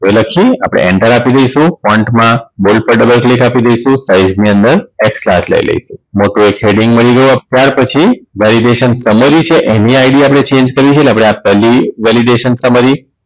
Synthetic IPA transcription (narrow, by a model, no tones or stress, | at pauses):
t̪oeləkʰia̰pɽ̃ḛɛɳʈəɾapid̪əjʃũpɔɳʈmãbolpəɾɖəbəlklikapid̪əjʃũsaizniənd̪əɾekslatlə̰jlə̰iʃũmoʈuekʰeɽĩŋɡməɭiɡəjuat̪jaɾpət͡ʃʰiʋɛliɖeʃənsəməɾit͡ʃʰeʔeniaiɽiapɽ̃et͡ʃẽnd͡ʒkəɾit͡ʃʰelapɽ̃eapːɛlːiʋɛliɖeʃənsəməɾi